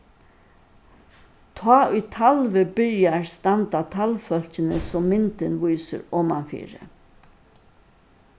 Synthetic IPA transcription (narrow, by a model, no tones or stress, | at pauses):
t̪ʰɑːʔʊjt̪ʰalʋəbɪɹjaɹst̪ant̪at̪ʰalfœl̥t͡ʃɪnəsɔmːɪnt̪ɪnʋujsə̰ɾɔmanfḭːɾə̰